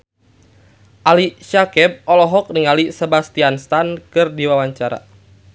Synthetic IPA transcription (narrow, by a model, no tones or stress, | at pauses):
ʔaliʃakɛb̚ɔlɔɦɔk̚niŋalisebast̪ianst̪ankɨrdiwawaɲt͡ʃaɾa̰